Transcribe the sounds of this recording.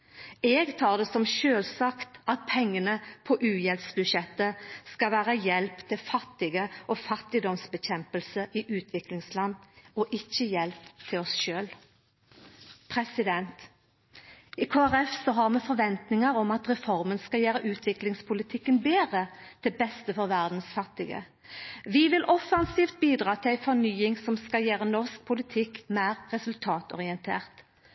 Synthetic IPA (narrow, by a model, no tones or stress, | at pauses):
eːɡt̪ʰɑːʁd̪ɛsɔmʃøːlsɑːkt̪ɑt̪̚pʰɛŋːənəpʰɔʔʉːjɛlpsbʉʃɛt̪ːəskɑʋæːʁəjɛlpt̪ʰɪlfɑt̪ːɪɡəʔɔfɑt̪ːɪd̪ɔmsbəçɛmpəlsəʔiʔʉːt̪ʰʋɪklɪŋslɑnːɔʔɪçːəjɛlpt̪ʰɪlɔsʃøːl | pʰʁɛsɪd̪ɛnt̪ | ɪkʰoːæʁɛfsɔɦɑʁmɛfɔʁʋɛnt̪nɪŋəɾɔmɑt̪ʁɛfɔʁmənskɑjæːɾəʔʉːt̪ʰʋɪklɪŋspʰʊlɪt̪ʰɪkːənbeːʁəd̪̥ɛbɛst̪əfɔʁʋæʁd̪n̩sfɑt̪ːɪɡə̰ | ʋɪʋɪlʔɔfɑnsiːft̪̚biːd̪ʁɑːt̪ʰɪlæɪfɔʁnyːɪŋsɔmskɑjeːʁənɔsk̚pʰʊlɪt̪ʰɪkmæːʁʁɛsʉlt̪ʰɑːt̪ɔ̰ʁɪɛnt̪ʰḛːʁt̪